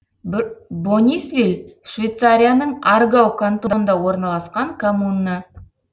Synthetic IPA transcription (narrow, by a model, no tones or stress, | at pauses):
bonʲisvʲilʲʃvʲejt̪saɾʲijanəɴarɡawkʰant̪od̪nd̪ɑwo̞ɾnɑlˠɑsqɑŋkʰomunːə